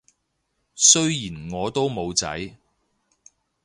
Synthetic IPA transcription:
sɵ˥ɥjiː˨˩nŋɔː˨˧t̪o˥wmo˨˧wt͡sɐ̰˨˥j

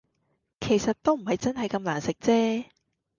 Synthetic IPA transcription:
kʰe˨˩jsɐ˨t̚t̪o˥wm̩˨˩ɦɐ˨jt͡sɐ˥nɦɐ˨jkɐ˧mlaː˨˩nsɪ˨k̚t͡sɛː˥

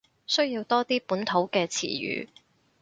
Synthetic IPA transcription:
sɵ˥ɥjiː˧wt̪ɔː˥t̪iː˥puː˨˥nt̪ʰo˨˥wkɛː˧t͡sʰḭː˨˩jy̰ː˨˧

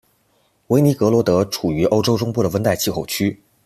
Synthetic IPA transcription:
we˧˥ɪni˧˥kɤ˧˥lwɔ˧˥t̪ɤ˧˥ʈ͡ʂʰu˨˩y˧˥ʔo˥ʊʈ͡ʂo˥ʊʈ͡ʂʊ˥ŋpu˥˩ɾə˩wə˥nt̪a˥˧ɪt͡ɕʰi˥˩xo˥˩ʊt͡ɕʰy˥

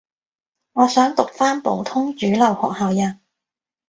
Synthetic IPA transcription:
ŋɔː˨˧sœː˨˥ŋt̪ʊ˨k̚faː˥npo̰˨˧wt̪ʰʊ˥ŋt͡ʃyː˨˥lɐ˨˩whɔ̰ː˨k̚haː˨˧wjɐ˨n

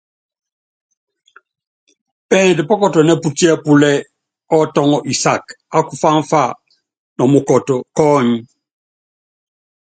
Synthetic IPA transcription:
pɛ˦n˨dɛ˨pɔ˦kɔ˨tɔ˨nɛ˦pu˦ti˦ɛ˦pu˦lɛ˦ | ɔ˦tɔ˦ŋɔ˨ʔi˨sa˨k | a˦ku˨fa˦ɱ˦fa˦˨ | nɔ˨mu˨kɔ˨tɔ˨kɔː˦˨ɲi˦

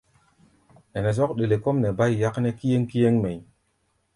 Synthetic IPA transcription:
nɛ˨nɛ˨s̬ɔ˦kɗe˨le˨ko˦mnɛ˨ba˦jja˦kne˦ki˦je˦ŋki˦je˦ŋme˨

